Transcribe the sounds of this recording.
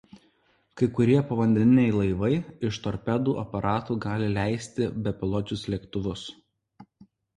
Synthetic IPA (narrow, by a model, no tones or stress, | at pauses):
kɐɪkʊɾʲiɛpɐʋɐnʲd̪ʲɛnʲɪnʲɛɪlˠɐɪʋɐɪɪʃt̪ɔɾʲpʲɛd̪uːʔɐpɐɾʔɑːt̪uːɡɑːlʲɪlʲæˑɪsʲt̪ʲɪbʲɛpʲɪlˠɔd͡ʒʲʊslʲɛkt̪ʊʋʊs